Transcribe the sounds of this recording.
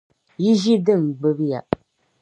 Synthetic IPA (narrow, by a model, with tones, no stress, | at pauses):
ji˦ʒi˦dɨ˦˨ŋ˨ɡ͡bɨ˦bja˨